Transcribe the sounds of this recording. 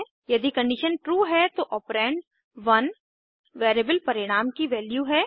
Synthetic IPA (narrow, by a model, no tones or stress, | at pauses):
jɐd̪ikɐ̃ɳɖɪʃənʈɾuːɦɛt̪oʔɔːpɾɛ̃ːɳɖ | ʋɐn | ʋeːɾeːbəlpɐɾɪɽ̃aːmkiʋɛːljuɦɛː